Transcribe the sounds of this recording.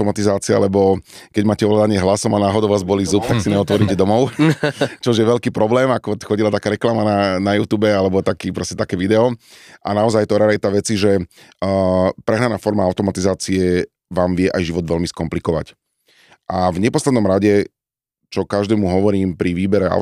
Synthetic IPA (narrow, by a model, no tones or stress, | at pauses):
ɔmat̪izaːt͡sia̰lɛbɔ | kɛɟmaːcɛɔɦlad̪aɲɪɛɦlasɔmanaːɦɔd̪ɔʊʋaːzbɔliːzup̚t̪aksiɲɛɔt̪ʋɔɾiːcɛd̪ɔmɔʊ | t͡ʃɔuʒjɛʋɛlkiːpɾɔblɛːmakɔxɔɟilat̪akaːɾɛklamananajuːt̪uːbɛalɛbɔt̪akiːpɾɔscɛt̪akɛːʋid̪ɛɔʔanaɔzajt̪ɔɾɛɾɛt̪aʋɛt͡siʒɛ | pɾɛɦnanaːfɔɾmaaʊt̪ɔmat̪izaːt͡siɛ | ʋaːmʋɪɛʔajʒiʋɔd̪ʋɛlmiskɔmplikɔʋa̰c | ʔavɲɛpɔslɛd̪nɔmɾaɟɛ | t͡ʃɔkaʒd̪ɛːmuɦɔʋɔɾiːmpɾiʋiːbɛɾɛa̰